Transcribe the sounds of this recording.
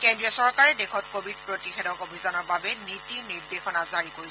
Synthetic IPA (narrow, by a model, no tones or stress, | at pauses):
kɛndɹiɔsɔɹkaɹɛdexɔtkobʱid̚pɹotixedɔkobʱizanɔɹbabɛnitiɹniɹdexɔnazaɹikoɹi